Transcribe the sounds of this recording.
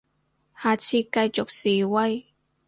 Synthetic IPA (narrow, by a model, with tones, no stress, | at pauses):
haː˨t͡sʰiː˧kɐ˧jt͡sʊ˨k̚siː˨˩wɐ˥j